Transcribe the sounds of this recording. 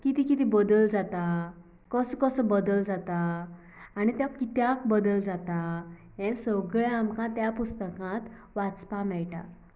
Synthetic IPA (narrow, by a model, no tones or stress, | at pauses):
kit̪ikit̪ibəd̪əld͡zat̪a | kəskəsəbəd̪əld͡zat̪aː | ɽ̃it̪jakit̪jakbəd̪əld͡zat̪a | ɛ̃səɡɭɛamkãt̪japust̪əkãt̪ | ʋat͡spamɛɭʈa̰